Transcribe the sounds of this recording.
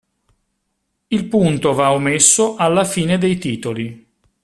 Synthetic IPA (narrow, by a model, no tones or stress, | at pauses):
ilpunt̪ovaomːesːoʔalːafiːned̪ejt̪iːt̪oli